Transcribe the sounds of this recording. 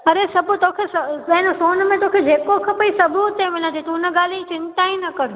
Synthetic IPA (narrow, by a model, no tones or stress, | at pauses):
ɐɾesɐbʱʊt̪okʰesɐɐ̃ɦɪ̃nosoːnmẽt̪oːkʰed͡ʑeːkokʰɐpəisɐbʱʊt̪emɪlə̃d͡ʑet̪unəɡaːlit͡ɕɪ̃nt̪ainɐkɐɾu